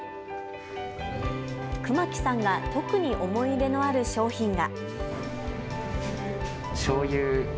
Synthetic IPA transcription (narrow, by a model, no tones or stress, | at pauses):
kɯ̟makʲi̥sãŋɡat̪o̞kɯ̟ɲ̟iʔo̞mo̞id̪e̞no̞aɾɯ̟ɕo̞ːçĩŋɡa | ɕoːjɯː